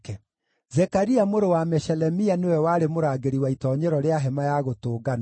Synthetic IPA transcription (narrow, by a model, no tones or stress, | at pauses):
kɛ | zɛkaɾiamoɾowamɛʃɛlɛmianewɛwaɾemoɾaɡeɾiwaitɔːɲɛɾɔɾeaɦɛmajaɣotoːɡana